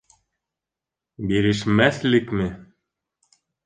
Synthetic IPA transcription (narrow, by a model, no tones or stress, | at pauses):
biɾɘ̆ʃmæθlɘkmɘ